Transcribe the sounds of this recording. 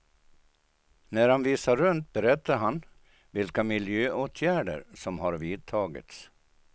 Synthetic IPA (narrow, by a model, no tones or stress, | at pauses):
næɾhanviːsaɾɵnt̪̚bɛɾɛt̪ːaɾɦan | vɪlkamɪljøːʔoːt̪ʰjæːɖə̰ɾsɔmɦaɾviːd̪̚t̪ʰɑːɡɪ̰t̪s